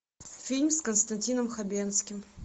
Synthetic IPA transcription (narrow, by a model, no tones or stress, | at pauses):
fʲilʲmʲskənst̪ɐnʲtʲinəmxɐbʲenskʲɪm